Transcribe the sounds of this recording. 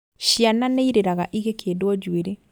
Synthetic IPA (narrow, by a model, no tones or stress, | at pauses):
ʃiananeiɾeɾaɣaʔiɣekʰeːdwɔd͡ʒweɾe